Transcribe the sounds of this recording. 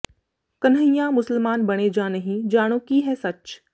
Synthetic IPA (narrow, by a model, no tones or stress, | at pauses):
kɐnɦəjãmʊsəlmaːnbɐɽ̃ed͡ʒanɐɦĩd͡ʒaːɽ̃õkiɦɛsɐt͡ʃ